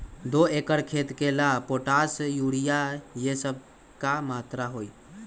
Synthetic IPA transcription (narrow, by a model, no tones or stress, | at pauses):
d̪oeːkəɽkʰeːt̪kelapoːʈasjuːɽijajesəb̚ | kamaːt̪ɾaɦoːi